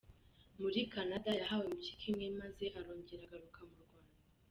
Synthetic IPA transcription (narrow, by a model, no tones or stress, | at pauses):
muɾikanadajaɦawemuci̥kʰimŋe̞maze̞ʔaɾo̞ːɲɟeɾaɡaɾukʰamuɾɡwaːna